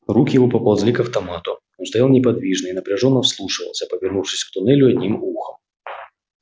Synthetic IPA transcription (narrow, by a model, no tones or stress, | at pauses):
ɾukʲjɪvopɐpɐlˠvzlʲikɐft̪ɐmat̪ʊ | onst̪ɐjalˠnʲɪpɐd̪vʲiʐnɨɪnəpɾʲɪʐo̞nːəfslˠuʂɨvə̰lˠsʲəpəvʲɪrnufʂɨsʲkt̪ʊnɛlʲʊɐd̪ʲnʲimuxəm